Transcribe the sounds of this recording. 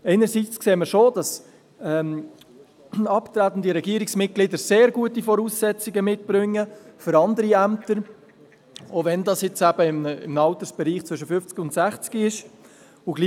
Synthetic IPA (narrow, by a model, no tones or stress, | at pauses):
ɛɪnəɾsit͡skseːməɾʃod̥ɑs | ɛm | ɑpt̪ɾæt̪n̩diɾɛɡiəɾɪksmɪt̚ɡ̥lɪd̪əɾseːɾɡuətifɔɾuːsːɛt͡siɡəmɪtb̥ɾʏŋːəfʏɾɑnd̪əɾiæmtəɾ | ovɛndɑsjɪt͡sæb̥əɪmɪ̰mnɑlt̪əɾsb̥ɛɾiːχt͡sʋʏʃ̬əfʏft͡sɡiʊntsæχt͡sɡ̥iɪʃ | ʊɡli